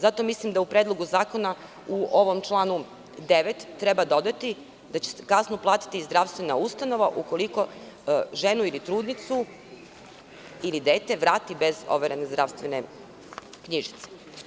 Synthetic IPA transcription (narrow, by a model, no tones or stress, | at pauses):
zat̪o̞mislimd̪aupɾed̪lˠo̞ɡuzaːko̞na | uʔoʋo̞mt͡ʃlˠaːnu | d̪e̞ʋet̪ːɾe̞bad̪o̞d̪at̪i | d̪at͡ɕe̥skasnoplˠaːt̪i̥t̪izd̪ɾaʋst̪ʋe̞na̰ust̪ano̞ʋaʔuko̞liko̞ | ʒe̞nuilit̪ɾuːd̪nit̪su | ilid̪eːt̪eʋɾaːt̪ibe̞zo̞̰ʋeɾenezd̪ɾaʋst̪ʋe̞ne | kɲiʒi̥t̪se̥